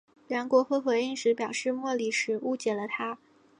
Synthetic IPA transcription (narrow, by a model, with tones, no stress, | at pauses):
lɑ˧˥ŋkwɔ˧˥xɤ˧˥xwɛ˧˥ɪi˥˩ŋʂɻ̩˧˥pjɑ˨˩ʊʂɻ̩˥˧mwɔ˥˩li˨˩ʂɻ̩˨˩˦u˥t͡ɕjɛ˨˩lə˦t̪ʰa˥